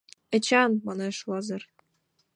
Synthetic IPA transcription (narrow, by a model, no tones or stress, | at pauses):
ɘ̆t͡ɕɑnmɑnɑʃwɑzɤ̆r